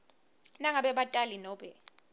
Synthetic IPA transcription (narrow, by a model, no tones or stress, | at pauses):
naŋaɓɛɓatʼalinɔːɓɛ